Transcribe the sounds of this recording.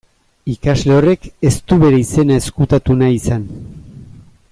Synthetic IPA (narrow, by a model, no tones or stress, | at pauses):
ikazle̞o̞re̞ke̞st̪uβe̞ɾeise̞naeskut̪at̪unaisan